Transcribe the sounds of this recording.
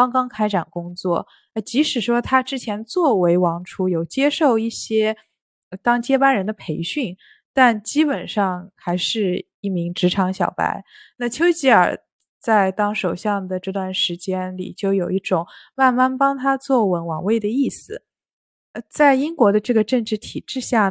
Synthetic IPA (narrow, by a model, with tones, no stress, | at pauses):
kɑ˥ŋkɑ˥ŋkʰa˥ɪʈ͡ʂa˨˩nkʊ˥ŋt͡swɔ˥˩ | ə˧˩t͡ɕi˧˥ʂɻ̩˨˩ʂwɔ˥t̪ʰa˥ʈ͡ʂɻ̩˥t͡ɕʰjɛ˧˥nt͡swɔ˥˩we˧˥ɪwɑ˧˥ŋʈ͡ʂʰu˧˥jo˨˩ʊt͡ɕjɛ˥ʂo˥˧ʊi˥˩ɕjɛ˥ | ə˧t̪ɑ˥ŋt͡ɕjɛ˥pa˥nɻə˧˥nd̪ə˧pʰe˧˥ɪɕy˥˩n | t̪a˥˩nt͡ɕi˥pə˨˩nʂɑ˥˧ŋxa˧˥ɪʂɻ̩˥˧ | i˥˩mi˧˥ŋʈ͡ʂɻ̩˧˥ʈ͡ʂʰɑ˧˥ŋɕjɑ˨˩ʊpa̰˧˥ɪ | na˥˩t͡ɕʰjo˥ʊt͡ɕi˧˥ə̰˞˨˩ | t͡sa˥˧ɪt̪ɑ˥ŋʂo˨˩ʊɕjɑ˥˩ŋd̪ə˩ʈ͡ʂɤ˥˧t̪wa˥˩nʂɻ̩˧˥t͡ɕjɛ˥nlḭ˨˩t͡ɕjo˥˩ʊjo˨˩ʊi˥˩ʈ͡ʂʊ˨˩˦ŋma˥˧nma˥˩npɑ˥ŋt̪ʰa˥t͡swɔ˥˩wə˧˥nwɑ̰˨˩ŋwe˥˩ɪd̪ə˩i˥˩sɹ̩˨˩˧ | t͡sa˥˩ɪi˥ŋkwɔ˧˥d̪ə˧ʈ͡ʂɤ˥˩ɡə˩ʈ͡ʂɤ˥˩ŋʈ͡ʂɻ̩˧˥t̪ʰi˨˩ʈ͡ʂɻ̩˥˧ɕja˥˩